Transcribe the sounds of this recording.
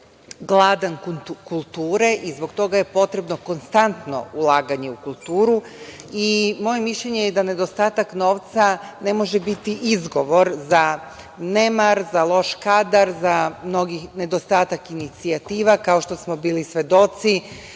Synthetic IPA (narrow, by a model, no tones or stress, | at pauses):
ɡlˠaːd̪ankkulˠt̪uːɾe̞ʔizbo̞ɡt̪o̞ɡaje̞po̞t̪ɾe̞bno̞ko̞nst̪ant̪no̞̰ulˠaːɡaɲe̞ukulˠt̪uːɾu | imo̞je̞miʃʎe̞ɲejed̪ane̞d̪o̞st̪aːt̪akno̞ːʋt̪sane̞mo̞ʒebit̪iʔizɡo̞ʋo̞ɾza | ne̞maɾzalˠo̞ʃkad̪aɾzamno̞ɡixne̞d̪o̞st̪aːt̪akinit̪siat̪iːʋakao̞ʃt̪o̞smo̞biːlisʋe̞d̪o̞t̪si